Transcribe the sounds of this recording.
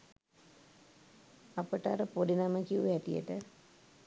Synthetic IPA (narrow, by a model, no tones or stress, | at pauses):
apəʈəaɾəpodinaməkiuɦɛʈijə̰ʈə